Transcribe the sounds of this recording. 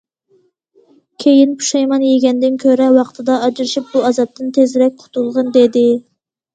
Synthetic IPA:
kʲʰejinpʰu̥ʃɑjmɑnjeɡʲɛnd̪ɪnkʲʰøɾɛwɑqt̪ʰɨd̪ɑɑd͡ʒiɾɨʃip̚buɑzɑp̚t̪ɨnt̪ʰezɾɛk̚ʲqʰʊ̥t̪ʰulˠʁənd̪ed̪ɪ

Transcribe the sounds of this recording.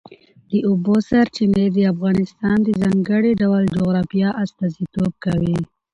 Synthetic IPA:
d̪əʊbosaɾt͡ʃined̪əafɣɑnɪst̪ɑnd̪əzɑŋɡəɽiɖawald͡ʒoɣɾɑfijɑʔast̪ɑzit̪ob̚kawi

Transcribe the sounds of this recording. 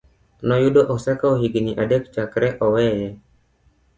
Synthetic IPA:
nɔjudoʔɔsɛkaoɦiɡniʔadɛkt͡ʃakɾɛʔɔwɛjɛ

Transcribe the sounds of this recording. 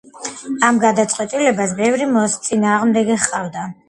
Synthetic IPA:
amɡad̪at̪sʼqʼwɛt̪ʼilɛbasbɛvɾimɔst̪sʼinaːʁmd̪ɛɡɛχʼavd̪a

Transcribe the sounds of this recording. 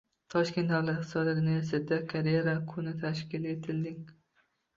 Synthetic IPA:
t̪ʰɒʃkʲe̞nt̪d̪awlat̪ht̪ɨsɒlaɾɪnɪjasad̪akʰaɾjeɾakʰʊnɪt̪ʰaʃkʲɪle̞t̪ʰɪld̪ɪŋ

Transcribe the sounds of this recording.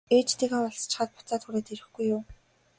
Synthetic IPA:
eːt͡ɕt̪eːɣeːɔɮst͡ɕɪ̥̆χə̆ːt̪̚pʊ̥t͡saːt̪xuɾeːt̪eɾɘ̆xɡujːʊː

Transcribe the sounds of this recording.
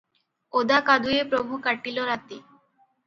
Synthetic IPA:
od̪akad̪uepɾobʱukaʈiloɾat̪i

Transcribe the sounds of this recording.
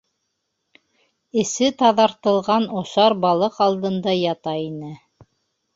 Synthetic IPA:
ɘ̆sɘt̪ɑðɑɾt̪ɤ̆lˠʁɑnŏʃɑɾbɑlˠɤqɑlˠd̪ɤ̆nd̪ɑjɑt̪ɑinɘ

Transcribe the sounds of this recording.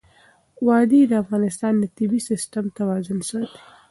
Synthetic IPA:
wɑd̪id̪əafɣɑnɪst̪ɑnd̪ət̪ɪbisɪsʈamt̪awɑzʊnʃəd̪e̥

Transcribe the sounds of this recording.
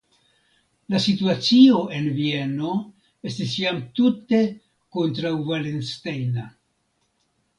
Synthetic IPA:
lasituat͡sio̞ʔe̞nvie̞no̞ | e̞stisjamtute̞ | ko̞ntɾawvalenstejna

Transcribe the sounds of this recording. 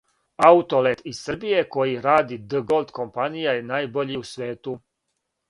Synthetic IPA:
aut̪o̞let̪issr̩bije̞ko̞jiɾaːd̪id̪əɡolˠd̪ko̞mpanijajenaːjbo̞ʎiusʋeːt̪u

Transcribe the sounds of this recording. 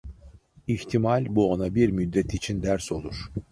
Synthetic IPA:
içt̪ʰimalʲbuonabiɾmyd̪ːɛt̪ʰit͡ʃʰind̪æɾso̞lˠuɾ̥

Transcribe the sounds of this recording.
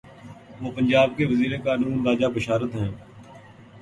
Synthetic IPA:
ʋoːpəɲd͡ʒaːb̚keʋəziːɾekaːnũːnɾaːd͡ʒaːbəʃaːɾət̪ɦɛ̃ː

